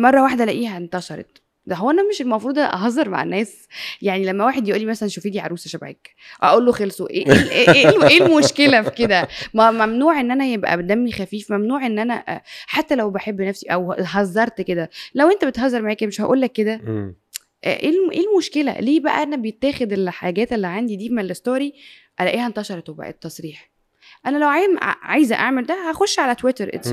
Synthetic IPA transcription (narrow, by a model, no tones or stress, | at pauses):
mɑrˤːɑwaħd̪ælæʔiːhæʔent̪ɑʃɑɾˤɑ̰t̪ | d̪æɦowːæʔænæmeʃelmɑfɾuːd̪ˤæʔɑ̰ɦɑzˤɑɾˤma̰ʕ̰nːæːs | jaʕnilæmːæwaːħed̪jeʔuːlːimæsælænʃofid̪iʕɑ̰ɾˤuːsæʃæbʕḛːk | ʔæ̰ʔuːlːoxelsˤoʔḛʔeʔʔelmoʃkelæfi̥ked̪æmæmæmnuːʕʔenːʔænæjebʔæ̰d̪æmːixæfiːfmæmnuːʕʔenːʔænæʔħat̪ːælæwbeħebːnæfsiʔæwɦɑzˤːɑɾˤt̪ked̪ælæwʔent̪æbet̪hɑzˤːɑɾˤmaʕeːkæmeʃhæ̰ʔuːlːækːed̪æ | ʔʔelʔeːlmoʃkelæ̰liːbæʔæ̰ʔænæbejet̪ːæːxed̪elħaːɡæːt̪elːiʕand̪id̪iːmeelːest̪oːɾi | ʔælæʔiːhænt̪ɑʃɑɾˤt̪webæ̰ʔḛt̪ːɑsˤɾiːħ | ʔænælæwʕa̰ʕajzæʔa̰ʕmeld̪æhæxoʃːʕalæt̪wet̪eɾʔḛ